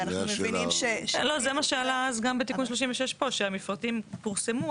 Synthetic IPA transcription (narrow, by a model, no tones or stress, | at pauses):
naχumeinimʃelo̞zemaʃealaazɡambet̪ikunʃ̬loʃ̬imveʃeʃpo̞ʃeamifʁat̪impuʁsemu